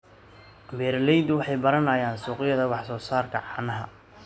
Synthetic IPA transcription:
bɛːɾlɛjd̪ʊwɑħɑjbɐɾɐnajaːnsuːqɪjɐðɐwɑħsɔːsaːrkʰɐʕɑːnɐɦɐ

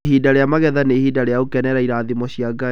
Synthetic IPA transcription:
ɦiːdaɾeamaɣɛðanehiːdaɾeaokɛnɛɾaiɾaðimɔɕijaɡa

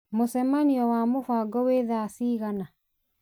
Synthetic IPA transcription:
mosɛmaniɔwamofaɡɔweðasiɣana

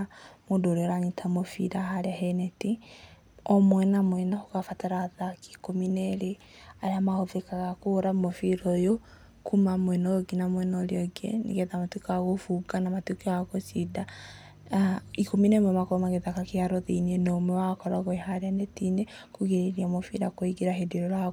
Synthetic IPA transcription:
mondoɾeɔɾanitʰamofḭɾaɦaɾeaɦɛnɛti | ɔmwɛnamwɛnahokafataɾaðaki̥kominɛɾe | aɾeamahoðekaɣakoɾamofiɾɔjo | kumamowɛnɔoɡinamwɛnɔɾeɔɡḛnḛɣɛðamatukaɣofuɡanamatukiaɣosida | ikominemɔmakoɾomaɣeðakakeaɾɔðeinienɔmɛwakɔɾaɣɔehaɾeanɛtine | koɣeɾeɾiamofḭɾakoiɡeɾaɦediɾɔɾa

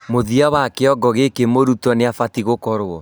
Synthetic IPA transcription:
moðiawakeɔɡɔɣekemoɾutɔneafatiɣokɔɾoɔ

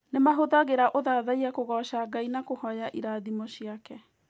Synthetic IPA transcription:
nemaɦoðaɣeɾaʔoðaːðaiakoɣɔʃaɡainakohɔjaʔiɾaːðimɔɕiakɛ

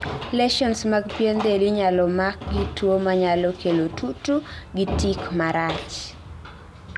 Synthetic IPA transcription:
lɛʃɔnsmaɡpjend̪eliɲalɔmak̚ɡitwomaɲalɔkʰelotʰutuɡitikmaɾat͡ʃ

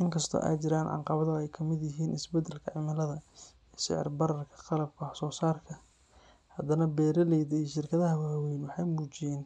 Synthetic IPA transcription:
ʔɪŋkʰɐst̪ʰɔ̰ʔɛ̰jt͡ʃɪɾaːnʕɑ̰ɴqɑβɐðɐɛjkʰɐmɪd̪jɪɦiːnʔɪsbɛd̪ɛlkʰɐʕɪmɐlɐðɐ | iːʃɪ̰ʕɪ̰rbɐɾɐrkʰɐ̥qɑlɐb̚kʰɐsɔːsaːrkʰɐ | hɐd̪ɐnɐbɛːɾɐlɛjðɛjʃɪrkʰɐðɐɦɐwaːwɛjnwɑħɑjmuːt͡ʃɪjɛːn

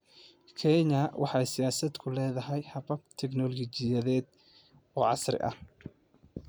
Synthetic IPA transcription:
kʰɛɲɐwʔɑ̰ħɑjsɪjaːsɐd̪kʰʊlɛːðɐɦɛjhɐβɐbt̪ʰɛɡnɔlɣt͡ʃɪjɐðɛːd̪ | ɔːʕɑsrɪ̰ʔɐ̰h

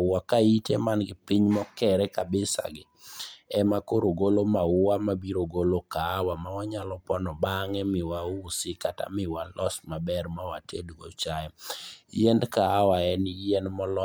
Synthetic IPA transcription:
wakaitemanɡɪpiɲmɔkɛɾɛkabɪsa̰ɡɪɛmakoɾoɡolomaʊwamabiɾoɡolokaːwamawaɲalɔpɔnɔbaŋɛmɪwausɪkata̰mɪwalʔɔsmabɛrmawatʰeduɡo̰t͡ʃajɛjɛndkaːwaɛnɪɛndmɔlɔ

